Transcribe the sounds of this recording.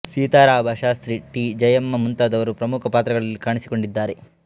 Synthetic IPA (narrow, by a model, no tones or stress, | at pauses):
siːt̪aːɾaːbʱɐʃaːst̪ɾiʈid͡ʒɐjɐmːɐmunt̪aːd̪ɐʋɐɾupɾɐmukʰɐpaːt̪ɾɐɡɐɭɐlːikaːɳisi̥ko̞ɳɖid̪ːaːɾe̞